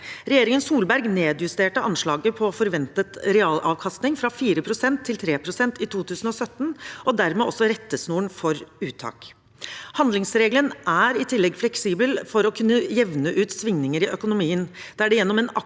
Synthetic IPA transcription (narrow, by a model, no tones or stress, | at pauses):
ɾɛjeːɾɪŋənsuːlbæɾɡneːd̪jʉst̪eːʈəʔɑnʂɭɑːɡəpʰɔfɔɾʋɛnt̪ət̪ɾɛɑːlɑːʋkʰɑst̪nɪŋfɾɑfiːɾəpʰɾʊsɛnt̪ʰːɪlt̪ʰɾeːpʰɾʊsɛnt̪ɪt̪ʰuːt̪ʰʉːsn̩ɔsœt̪ːnʔɔd̪æɾmeːɔsːɔɾɛt̪ːəsnuːɳfɔɾʉːt̪ʰɑ̰ːk | hɑnd̪lɪŋsɾeːɡlənʔæɾɪt̪ʰɪlːɛɡflɛksiːbəlfɔɾɔkʰʉnːəjɛʋnəʔʉːt̪sʋɪŋnɪŋəɾɪʔœkʊnʊmiːənd̪̥ɛæɖɛjɛnːɔmɛːnɑ